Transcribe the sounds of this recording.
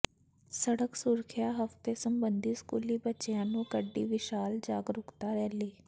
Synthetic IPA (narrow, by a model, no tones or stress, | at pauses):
səɽəksʊɾkʰɪjaːɦəft̪eːsəmbənd̪iːskuːliːbət͡ʃɪjãːnũːkəɖːḭːʋɪʃaːld͡ʒaːɡɾʊkt̪aːɾɛːliː